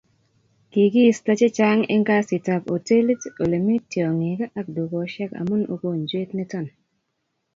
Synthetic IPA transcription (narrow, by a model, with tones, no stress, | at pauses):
ki˨ɡi˦sta˦t͡ʃe˦t͡ʃa˦ŋɛ̰˦ŋɡa˦si˨ta˨po˨te˦le˦to˨le˨mi˦tːjɔ˨ŋi˨ka˦ʔa˦k̚du˨ɡo˨˦ʃɛ˦ka̰˨mu˦no̰˦ko˦˨nd͡ʒwe˦tni˦tɔ˦˨n